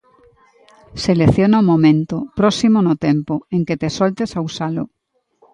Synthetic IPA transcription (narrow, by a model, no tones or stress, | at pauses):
seleθjonaomõmẽnt̪opɾosimonot̪empoeŋket̪esolt̪esausalo̰